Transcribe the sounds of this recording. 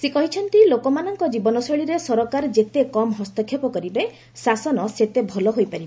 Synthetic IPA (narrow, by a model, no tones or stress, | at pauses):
sekɔɦit͡ʃʰɔnt̪ilokɔmanɔŋkɔd͡ʒibɔnɔsɔɭiɾesɔɾɔkaɾd͡ʒet̪ekɔmɦɔst̪ɔkʰjɔpɔkɔɾibe | sasɔnɔset̪ebʱɔlɔɦojpaɾibe